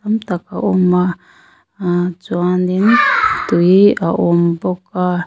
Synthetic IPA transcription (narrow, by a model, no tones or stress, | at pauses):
amt̪akaʔoma | t͡swandintujiaʔomboka